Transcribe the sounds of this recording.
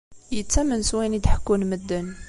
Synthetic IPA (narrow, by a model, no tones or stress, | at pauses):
jət͡sːæmənswænid̪ħkːunməd̪ːən